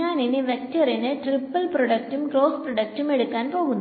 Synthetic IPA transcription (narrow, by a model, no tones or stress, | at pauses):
aːninːiʋek̚tːɐrinɨʈripːɐlproɽɐk̚tumɡro̞ːsprɐɽɐk̚ʈume̞ɽukːaːnpo̞ːɣunː